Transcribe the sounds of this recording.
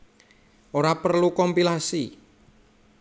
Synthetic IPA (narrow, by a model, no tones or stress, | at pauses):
ʔoɾapərlukɔmpilasi